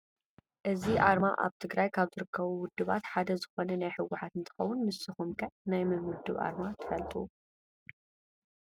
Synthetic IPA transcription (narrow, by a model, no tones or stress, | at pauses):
ʔɨziʔaɾma̰ʔa̰βt̪ʰɨɡɾajkʰaβzɨɾɨkʰːɐβuwʊd̪ːɨβa̰t̪ħad̪ɐzɨxonɐnajħɨwːʊħat̪ɨnt̪ʰɐ̥xɐwʊnmɨsɨxumkʰɐʕnajmɨnwʊd̪ɨβa̰ɾmat̪ʰɨ̥fɐlt̪ʼuu